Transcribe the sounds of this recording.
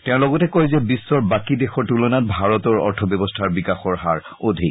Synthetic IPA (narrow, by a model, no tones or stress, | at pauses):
tɛ̃ʊ̃lɔɡɔtɛkɔjzɛbisːɔɹbakidexɔɹtulɔnat̚bʱaɹɔtɔɹɔ̰ɹtʰɔbɔbɔstʰaɹbikaxɔɹɦaɹ | odʱik